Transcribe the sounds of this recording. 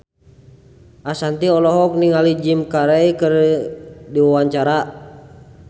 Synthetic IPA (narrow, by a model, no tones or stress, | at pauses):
ʔasant̪iɔlɔɦɔk̚niŋalid͡ʒimkaɾaikər | diwawaɲt͡ʃaɾa